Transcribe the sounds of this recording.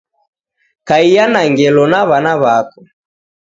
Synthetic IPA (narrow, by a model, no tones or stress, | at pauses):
kaijanaŋɡɛlɔnaβanaβakɔ